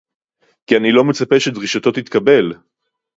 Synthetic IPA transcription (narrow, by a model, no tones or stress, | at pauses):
kianilo̞met͡sape̞ʃed̪ʁiʃat̪o̞t̪it̪kɐbe̞l